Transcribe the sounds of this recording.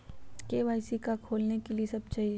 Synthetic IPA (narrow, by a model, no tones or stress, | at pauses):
keːʋaːɪsikakʰoːlnekeliesɐb̚t͡ʃaːɦi